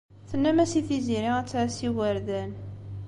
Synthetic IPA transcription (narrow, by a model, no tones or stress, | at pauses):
θənːæmæsiθiziɾiʁæt͡sːæsiwəɾðæn